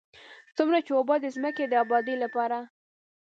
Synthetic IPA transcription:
t͡sumɾat͡ʃewobɑd̪əzməked̪əabɑd̪ilapɑɾa

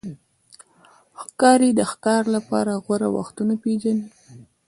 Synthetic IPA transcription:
xkɑɾed̪əxkɑɾlapɑ̰ɾaɣwaɾa̰wa̰xt̪unapeʒani

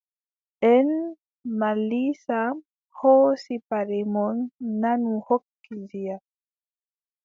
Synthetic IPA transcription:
ʔɛn | malisa | hɔsipaɾemɔnːanuhokːizia

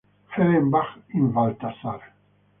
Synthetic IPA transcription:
feɾembaχinvalt̪asaɾ

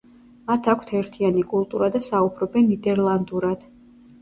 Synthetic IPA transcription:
mat̪ʰakʷʰt̪ʰɛɾt̪ʰianikʼulˠt̪ʼuɾad̪asaubʰɾɔbɛnːid̪ɛɾlˠand̪uɾad̪̥

